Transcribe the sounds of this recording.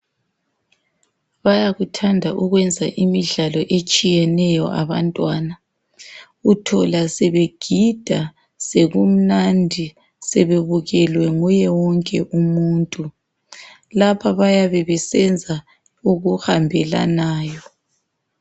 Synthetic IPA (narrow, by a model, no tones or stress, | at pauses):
βajaɣutʰandʱaʔuɣwɛnd͡zʱa̰ʔimiɮalɔʔet͡ʃʼijɛnɛjɔ̰ʔaβantʼwana | utʰɔlasɛβeɡ̥ʱid̥ʱa | seɣum̩nandʱi | sɛβeβuɣɛlwɛŋujɛwɔŋkʼɛʔumuːntʼu | lapʰaβajaβɛβɛsɛnd͡zʱa | uɣuhambʱɛla̰naːjɔ